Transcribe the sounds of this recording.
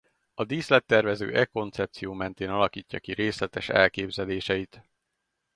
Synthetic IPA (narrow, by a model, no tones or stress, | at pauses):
ɒd̪iːslɛt̪ːɛrvɛzø̰ːʔɛko̞nt̪sɛp̚t̪sijoːmɛn̪t̪eːnɒlɒkiːcːɒkiɾeːslɛt̪ɛʃɛ̰lkeːbzɛleːʃɛit̪